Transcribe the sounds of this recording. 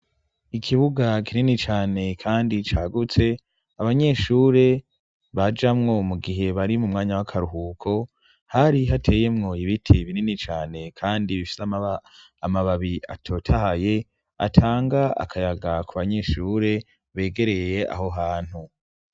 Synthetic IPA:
ikʰiβuɡakʰininit͡ʃaːne̞kʰaːndit͡ʃaːɡut͡se̞ | aβaɲe̞ːʃuːɾe̞ | βad͡ʒamŋo̞muɡiɦe̞βaɾimumŋaːɲawakʰaɾuɦuːkʰo̞ | haɾiɦatʰe̞ːje̞mŋo̞iβitʰiβininit͡ʃaːne̞kʰaːndiβifi̥sama | amaβaβia̰tʰo̞ːtʰahaje̞ | a̰tʰaːŋɡaa̰kʰajaɡakʰuβaɲe̞ʃuːɾe̞ | βe̞ːɡe̞ɾe̞je̞a̰ɦo̞ɦaːn̥hu

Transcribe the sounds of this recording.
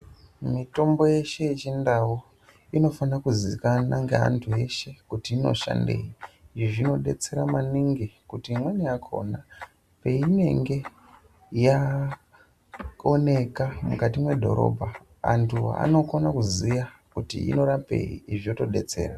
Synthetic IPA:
mito̞mbo̞je̞ʃe̞jet͡ʃindawo | ino̞fanakuzikanaŋɡea̰ntʰuje̞ʃe̞kutiːno̞̰ʃa̰nde̞̰iiʐino̞ɗe̞̰t͡se̞ɾamaniŋɡikutimwanijakʰo̞̰na | pe̞ine̞̰ŋɡe̞ | ja | one̞kamukatimwe̞dʱo̞̰ɾo̞̰bʱa | a̰ntʰua̰no̞konakuzijakutḭḭno̞ɾape̞̰ḭiʐijoto̞ɗe̞̰t͡se̞̰ːra

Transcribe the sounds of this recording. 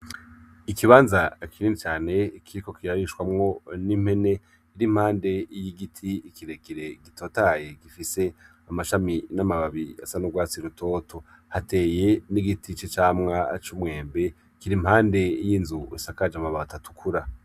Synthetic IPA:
ikiβaːnzakʰiniːnit͡ʃaːne̞kʰiɾiko̞kʰiɾaɾiʃwamŋo̞nim̥he̞ne̞ | iɾim̥haːnde̞jiɡitʰiːkiɾe̞kiɾe̞ɡitʰo̞ːtaje̞ɡifise̞ | amaʃaminamaβaβia̰sanuɡwaːt͡siɾutʰo̞ːtʰo | hate̞ːje̞niɡitʰit͡ʃet͡ʃaːmŋat͡ʃumŋe̞ːmbe̞ | kiɾimhaːnde̞jiːnzuisakad͡ʒamaβatatʰu̥kʰuɾa

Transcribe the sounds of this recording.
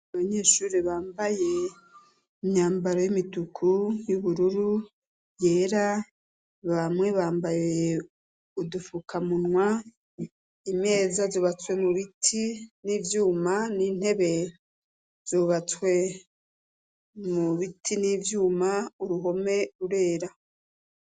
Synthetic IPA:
aβaɲe̞ːʃuːɾiβaːmbaje̞ | imɲaːmbaɾo̞jimitukʰujuβuɾuɾu | je̞ːɾa | βamŋwe̞βaːmbaje | udufukʰamunwa | imɲe̞ːzazoːβat͡swe̞muβitʰiniːvjuːmaniːn̥he̞βe̞ | z̥oːβat͡swe̞ | muβitʰiniːvjuːmauɾuɦo̞me̞ɾuɾe̞ːɾa

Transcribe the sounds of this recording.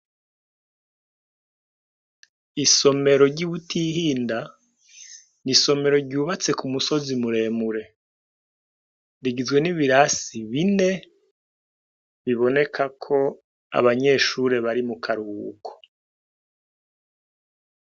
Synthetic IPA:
iso̞me̞ɾo̞ɾɟuβutʰihiːnda | niso̞me̞ɾo̞ɾɟuːβat͡se̞kumuso̞zimuɾe̞ːmuɾe̞ | ɾiɡizɡwe̞niβiɾasiβine̞ | βiβo̞ne̞kʰakʰo̞ | a̰βaɲe̞ːʃuɾe̞βaɾimukʰaɾuːkʰo̥

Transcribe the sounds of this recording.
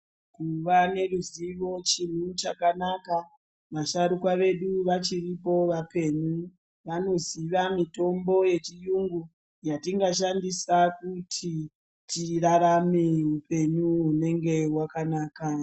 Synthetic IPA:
kuʋane̞ruziʋo̞t͡ʃin̤ut͡ʃakanaka | ʋaʃaɾukwaʋe̞ɗuʋat͡ʃiripo̞ʋape̞ɲu | ʋano̞ziʋamito̞mbo̞je̞t͡ʃijuŋɡu | jatiŋɡaʃ̬andisakutʰi | tiraɾameupe̞ɲuɦune̞ŋɡe̞wakanaːka

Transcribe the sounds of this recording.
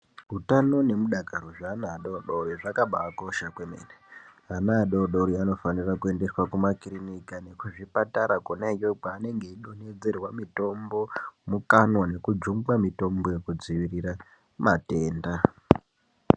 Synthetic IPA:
ɦutano̞ne̞muɗakaɾoʐaːnaːɗoɗoɾiʐakaɓaːkoʃakwemḛne | anaɗoɗoɾiano̞fanirakue̞nde̞swakumakrinikane̞kuʐipataɾakonajoɡ͡baːne̞ŋɡe̞iɗo̞ne̞d͡ze̞rwamito̞mbo̞mukanwane̞kud͡ʒuŋɡamito̞mbo̞je̞kud͡ziʋirira | mate̞ːnda

